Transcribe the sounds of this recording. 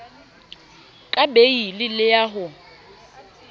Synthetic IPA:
kʼabeilɪlɪjaɦʊ

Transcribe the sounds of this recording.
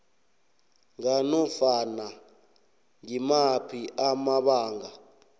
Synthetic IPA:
ŋanɔfana | ŋimapʰiʔamaɓaːŋa

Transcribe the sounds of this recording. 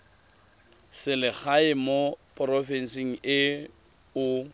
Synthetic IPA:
sɪlɪk͡xʰaɪmopʼrɔfɛnsiŋ̩ɪ | ʊ

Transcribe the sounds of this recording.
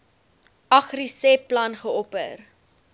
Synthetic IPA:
ʔɐχrisɛplɐnχəɔpə̰r

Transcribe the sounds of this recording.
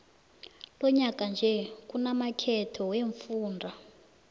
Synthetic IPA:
lɔɲakʼand͡ʒʱɛkunamakʰɛtʰɔweɱfuːndʱa

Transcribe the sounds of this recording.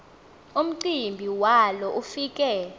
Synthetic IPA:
um̩ǀimbʱiwalɔʔufiːk̬ʼɛ

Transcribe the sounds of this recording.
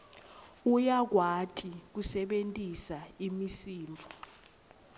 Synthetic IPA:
ujak̬watʰʼik̬usɛɓentʼisaimisiːɱvʱɔ

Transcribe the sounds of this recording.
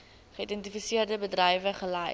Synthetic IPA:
χəidɛntifisiərdəbədrɛjvəχəlɛj

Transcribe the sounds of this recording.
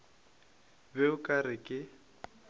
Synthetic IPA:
bɛʊkʼaɾɪkʼɪ

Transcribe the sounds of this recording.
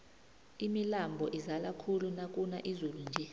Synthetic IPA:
imilambʱɔʔizalakʰulunakʼunaʔizulund͡ʒʱɛ

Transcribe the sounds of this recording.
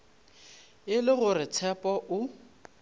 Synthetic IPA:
ɪlɪɣʊɾɪt͡sʰɛpʼɔʔʊ

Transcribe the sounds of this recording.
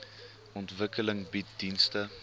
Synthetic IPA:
ɔntvəkələŋbit̚dinstə

